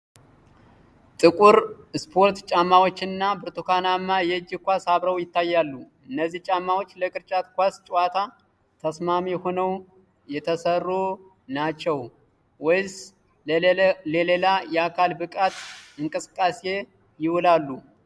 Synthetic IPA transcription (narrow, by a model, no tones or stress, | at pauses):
t̪ʼɨkʼuɾ | ɨspʰo̞ɾt̪t͡ʃʼamːawot͡ʃːɨnːabɨɾt̪ʰukanamːajɛd͡ʒːɪkʷasaβɾəwjɪt̪ʰːajːalːu | ɨnːəzːiht͡ʃʼamːawot͡ʃːləkʼɨɾt͡ʃʼat̪kʷast͡ʃʼwat̪ʰa | t̪ʰəsmamihonəw | jɛt̪ʰəsərːo | nat͡ʃːɛw | wɔjs | lelelajɛakʰalbɨkʼat̪ɨŋkʼɨsɨ̥kʼːase̞ | jɪwʊlalːu